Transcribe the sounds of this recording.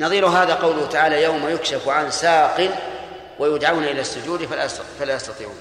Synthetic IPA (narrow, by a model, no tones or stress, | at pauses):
nɑðˤiːɾʊɦaːðaqɑwlʊhʊt̪aʕaːlajawmajʊkʃafʕansaːqɪl | wʔajʊd̪ʕawnaʔɪlasːʊd͡ʒuːd̪fala̰jfalajɑst̪ɑt̪ˤiːʕṵːn